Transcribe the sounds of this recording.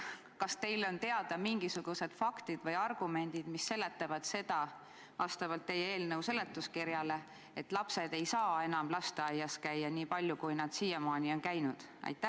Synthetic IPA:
kɑst̪e̞jlo̞nt̪e̞ɑd̪̥ɑmiŋɡisuɡ̥use̞d̪̥fɑkt̪id̪̥vɤjɑrɡ̥ume̞nʲd̪̥id̪̥misːe̞le̞t̪ːˑɑvɑd̪̥se̞d̪̥ɑ | vɑst̪ɑvɑlt̪ːe̞jːee̞ːlnəwse̞le̞t̪ːˑuskiɾjɑle̞ | et̪ːlɑpse̞d̪e̞jsɑːe̞nɑmlɑst̪eɑjːɑskæjːɑniːpɑlʲjukujnɑd̪̥siːjemɑːnʲio̞nkæjnud̪̥ | ʔɑ̰jt̪ːˑæ

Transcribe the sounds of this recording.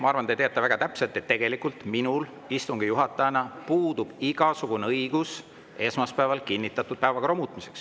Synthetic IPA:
mɑɑrvɑnd̪et̪eɑt̪ːɑvæɡ̥ɑt̪æpselt̪ːˑe̞t̪ːe̞ɡ̥e̞likˑult̪minul | ist̪uŋɡ̥ijuɦɑt̪ːˑɑjɑnɑpuːd̪̥ub̥iɡɑsuɡ̥uneɤiɡ̥us | ʔe̞ːsmɑspæevɑlkinʲːit̪ːˑɑt̪ːˑud̪̥̚pæevɑkromut̪ˑmise̞̥ks

